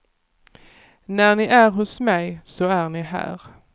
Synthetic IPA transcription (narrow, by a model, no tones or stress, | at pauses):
næɳɪʔæɾɦʊsmɛjsɔæɳɪɦæ̰ːɾ